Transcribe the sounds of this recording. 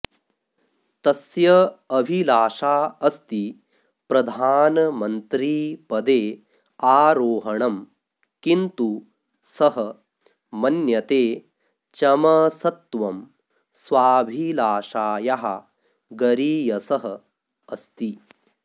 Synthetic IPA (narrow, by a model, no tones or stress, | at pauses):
t̪ɐsjɐɐbʱilaːʃaːɐst̪i | pɾɐd̪ʱaːnɐmɐnt̪ɾiːpɐd̪eː | aːɾoːɦɐɳɐm | kint̪u | sɐɦɐ | mɐnjɐt̪eː | t͡ʃɐmɐsɐt̪ʋɐm | sʋaːbʱilaːʃaːjaɦɐ̰ | ɡɐɾiːjɐsɐɦɐ | ɐst̪i